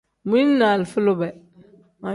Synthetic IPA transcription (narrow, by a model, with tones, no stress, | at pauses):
mi˦na˨lfu˦lo˦bɛ˨ | ma˨